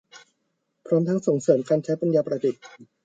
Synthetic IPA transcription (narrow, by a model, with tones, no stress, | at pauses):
pʰɾɔː˦˥mt̪ʰa˦˥ŋso˨˩˦ŋsɤː˩˦mkʰaː˧nt͡ɕʰa˦˥jpa˧njaː˧pɾa˧di˨˩t̪̚